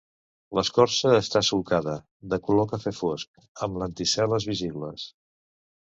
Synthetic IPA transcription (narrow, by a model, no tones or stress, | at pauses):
ləskɔɾsəːst̪asulkaðə | d̪əkulɔkəfefosk̚ | əmlənt̪isɛləzβiziβləs